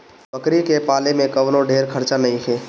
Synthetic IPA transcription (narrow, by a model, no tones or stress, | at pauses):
bɐkɾikepaːlemẽkɐʋnõɖʱeːɾkʰɐɾt͡ʃanɐɦĩɦeː